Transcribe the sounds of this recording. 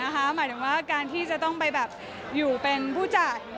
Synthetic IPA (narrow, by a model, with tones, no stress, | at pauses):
a˦˥kʰa˦˥maː˨˦jt̪ʰɯ˩˦ŋwaː˥˩kaː˧nt̪ʰiː˥˩t͡ɕa˨˩t̪ɔ˥˩ŋpa˧jbɛː˨˩p̚ | juː˨˩pe˧npʰuː˥˩t͡ɕa˨˩t̪̚